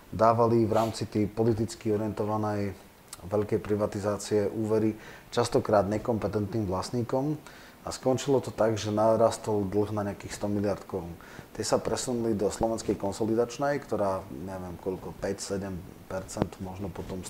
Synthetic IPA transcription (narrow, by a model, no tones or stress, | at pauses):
d̪aːʋaliʋɾaːmt͡sit̪ɛjpɔlit̪it͡skiɔɾɪɛnt̪ɔʋanɛj | ʋɛʎkɛjpɾiʋat̪izaːt͡siɛʔuːʋɛɾit͡ʃast̪ɔkɾaːd̪ɲɛkɔmpɛt̪ɛnt̪niːmʋlasɲiːkɔm | askɔnt͡ʃilɔt̪ɔt̪aɡʒɛnaɾast̪ɔlˠd̪l̩ˠɣnaɲɛakiːxst̪ɔmilɪaɾt̪kɔɾun | t̪ɪɛsapɾɛsunulid̪ɔslɔʋɛnskɛjkɔnsɔlid̪at͡ʃnɛjkt̪ɔɾaːɲɛʋɪɛmkɔʎkɔpɛcsɛɟɛm | pɛɾt͡sɛnt̪mɔʒnɔpɔt̪ɔm